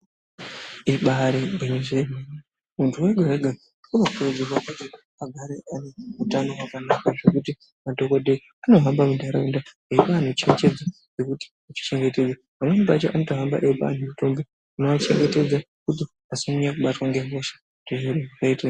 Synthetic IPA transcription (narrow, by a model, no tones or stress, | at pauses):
iɓaɾebʱeɲeʐeɡʱeni | muntʰuweɡʱareɡʱa | unoupured͡zerwakete | aɡʱaɾeaneutano̞wakanakaʐe̞kuti | madʱo̞ko̞dʱei | ano̞ɦambamudʱaɾeunda | eipaːn̤ot͡ʃeŋt͡ʃed͡za | ʐekuti̥ | at͡ʃi̥t͡ʃe̞ŋɡe̞te̞d͡za | mamweneɓat͡ʃaʔano̞toɦamba̰ʔeipa̰ːn̤umuto̞mbe | unoʋat͡ʃe̞ŋɡe̞te̞d͡za | kuti | asimuɲakuɓatwaŋɡemoʃḁ | ndeʐeɗeʐakaita